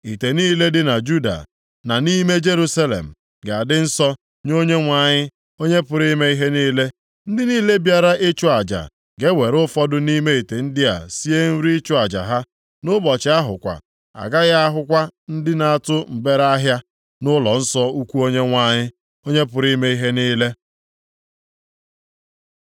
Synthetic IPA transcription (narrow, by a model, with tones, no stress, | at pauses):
i˨te˨niː˦le˦dɪ˦na˨d͡ʒu˦da̰˨ | na˨ni˦me˦d͡ʒe˦ɾu˦sa˦lḛ˨m̩˨ | ɡa˨dɪ˦n̩˦sɔ˦ | ɲo˦ɲe˦ŋʷa˨ɲɪ˦ | o˦ɲe˦pʊ˨ɾi˦me˦i˦ɦe˦niː˦le˦ | n̩˦dɪ˦niː˦le˦bja˦ɾa˦ʔɪ˦t͡ʃʊ˦a˨d͡ʒa̰˨ | ɡe˦we˨ɾʊ˦fɔ˦dʊ˦ni˦me˦i˨te˨n̩˦dɪ˦a̰˨si˦e˦n̩˦ɾi˦i˦t͡ʃʊ˦a˨d͡ʒa̰˨ɦa˦ | nʊ˦bɔ˨t͡ʃɪ˨˦a˦ɦʊ̰˨kʷa̰˨ | a̰˨ɡa˦ɣa˦a˦ɦʊ˦kʷa˦n̩˦dɪ˦na˨a˨tʊ˦m̩˨be˦ɾa˦ɦja˦ | nʊ˦lɔ˨n̩˦sɔ˦u˦kʷu˦o˦ɲe˦ŋʷa˨˦ɲɪ˦ | o˦ɲe˦pʊ˨ɾi˦me˦i˦ɦe˦niː˦le˦